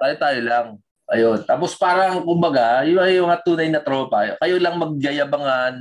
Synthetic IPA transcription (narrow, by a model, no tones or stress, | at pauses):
t̪aːjot̪aːjolaŋ | ʔɐjont̪aːpo̞spaːɾɐŋkʊmbɐɡajʊɐjmɐŋat̪uːnɐjnɐt̪ɾo̞ːpɐjokɐjolɐŋmɐɡ̚ːɐjɐbɐŋan